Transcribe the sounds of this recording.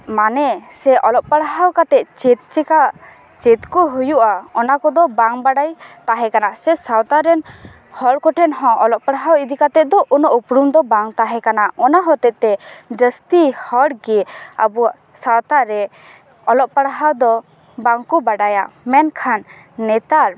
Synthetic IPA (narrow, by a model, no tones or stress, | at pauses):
manɛsɛʔɔlɔʔ̚paɽɦawkat̪ɛʔt͡ʃɛt̪̚t͡ʃɛka | t͡ʃɛt̪kɔɦujuʔaɔnakɔd̪ɔbaŋbaɽajt̪aɦɛkanaʔsɛsawt̪aɾɛn | hɔɽkɔʈʰɛnɦɔ̃ɔlɔʔpaɽɦawid̪ikat̪ɛd̪ɔʔunɔʔupɽumd̪ɔbaŋt̪aɦɛkanaɔnaɦɔt̪ɛʔt̪ɛd͡ʒəst̪ihɔɽɡɛa̰bɔaʔ | sawt̪aɾɛ | ɔlɔʔpaɽɦawd̪ɔ | baŋkɔbaɖajamɛnkʰanː | ɛt̪aɾ